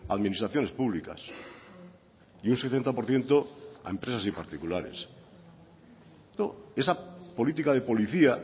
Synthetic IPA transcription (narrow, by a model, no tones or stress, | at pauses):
aːðminist̪ɾaθjo̞ne̞spuβlika̰s | iunset̪e̞nt̪apoɾθje̞nt̪o̞a̰e̞mpɾe̞sasipaɾt̪ikulaɾḛs | noe̞sapo̞lit̪̬ikaðe̞po̞liθia